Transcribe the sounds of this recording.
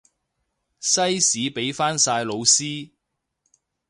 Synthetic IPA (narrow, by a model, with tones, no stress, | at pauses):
sɐ˥jsiː˨˥pe˨˥jfaː˥nsaː˧jlo˨˧wsiː˥